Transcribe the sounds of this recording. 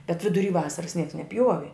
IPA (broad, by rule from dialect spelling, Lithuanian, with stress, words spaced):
bʲɛt ʋʲɪdʊˈrʲiː ˈʋɑːsɐrɐs nʲiɛks nʲɛˈpʲjuɔʋʲɪ